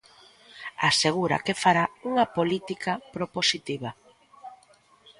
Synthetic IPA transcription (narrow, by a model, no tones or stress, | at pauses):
aseɣ̞uɾɐ̰kefaɾauŋɐpolit̪ikapɾoposit̪iβɐ